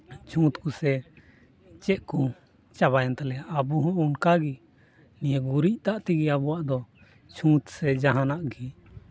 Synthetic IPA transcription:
t͡ʃʰũt̪kusɛ | t͡ʃɛʔku | t͡ʃaβajant̪alɛabuɦɔ̃ʔunkaɡi | nijaɡuɾic̚t̪aʔt̪iɡiabɔwaʔd̪ɔ | t͡ʃʰũt̪sɛd͡ʒaɦanaʔɡi

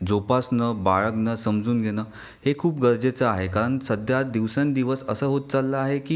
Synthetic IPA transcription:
d͡zopasnəbaɭəknəsəmd͡zuːnɡʱenəː | hekʰuːpɡəɾd͡zet͡səaɦekaɾəɳsəd̪ʱjad̪iʋsẽnd̪iʋəsəsəːɦot̪̚t͡salːəaɦekiː

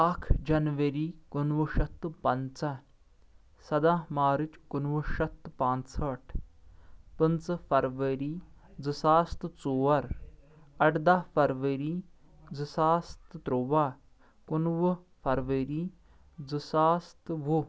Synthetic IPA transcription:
akʰd͡ʒɐnʋɐɾiːkunʋuʃɐt̪ːpɐnt͡sɐ | sɐd̪amaːɾit͡ʃkunʋɨʃɐt̪ːpãːnsɐʈʰ | pɨnt͡sɐfɐɾʋɐɾiː | d͡zɨsaːst̪t͡soːɐɾ | ɐʈd̪afɐɾʋeɾiː | d͡zɨsaːst̪ɨt̪ɾoʋaː | kunʋɨ | fʰɐɾʋeɾiː | d͡zɨsaːst̪ʋu

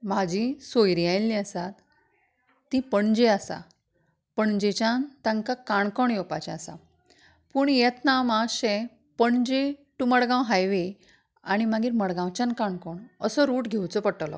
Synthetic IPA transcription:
mad͡ʑʱisojɾijajlːĩasat̪ː | ĩpəɳd͡ʑeasa̰ | pəɳd͡ʑet͡ɕjãnt̪ãŋkakaɳkɔɳjɔpat͡ɕɛasa̰ | puːɳjɛt̪namãɕe | pəɳd͡ʑeʈuməɽɡãwɦajʋe | a̰ɽ̃imaɡiːɾməɽɡãwt͡ɕankaɳkɔɳəsɔɾuːʈɡʱewt͡sɔpəʈlɔ̰

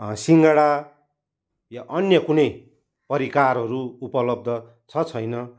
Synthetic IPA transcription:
siŋɡaɽa | jaʔʌnjʌkunʌj | pʌɾikarɦʌɾuupʌlʌb̚d̪ʱʌ | t͡sʰʌt͡sʰʌjnʌ

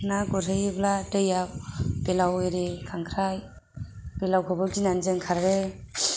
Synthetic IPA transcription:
naɡɔɾɦɯjɯbladɯjap̚b̥elawɯɾekʰaŋkʰɾaj | b̥elawkʰɔbɯɡinanzɯŋkʰaɾɾe

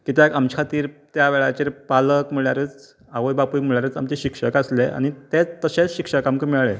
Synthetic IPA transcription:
kit̪ekamt͡ɕʰkʰat̪iːɾt̪jaʋeɭat͡ɕeɾpaləkm̤iɭjaɾət͡s | aʋəjbapujm̤əɭjaɾəːt͡sa̰mt͡ɕeɕikʂəkəslea̰ñit̪et͡st̪əɕet͡sɕikʂəkamkəmiɭɭe

